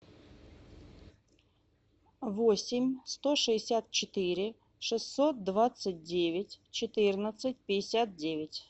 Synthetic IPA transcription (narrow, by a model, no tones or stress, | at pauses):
ʋɔsʲɪmʲst̪ɔʂɨɪsʲat̪̚t͡ʃɪt̪ɪɾʲɪ | ʂɨsʲt̪ːɔt̪̚d̪ʋat̪sət̚ʲdʲeʋʲɪtʲt͡ʃɪt̪ɪrnət̪sət̚ʲpʲɪjɪsʲat̪̚dʲeʋʲɪtʲ